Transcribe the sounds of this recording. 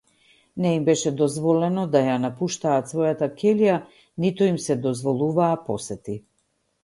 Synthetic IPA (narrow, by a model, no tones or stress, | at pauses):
nɛimbɛʃɛd̪ɔzvɔlɛnɔd̪ajanapuʃt̪aːt̪svɔjat̪akɛlija | nit̪ɔimsɛd̪ɔzvɔlˠuvaːpɔsɛt̪i